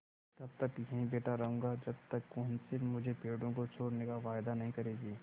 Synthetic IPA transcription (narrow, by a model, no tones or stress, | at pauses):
t̪ɐb̚t̪ɐkjɐɦĩbeːʈaɾɐɦũːŋ̆ɡad͡ʒɐb̚t̪ɐkːɔnsɪmʊd͡ʒʱepeːɽõkot͡ʃʰoːɽnekaʋaːɪd̪anɐɦĩkɐɾeːɡiː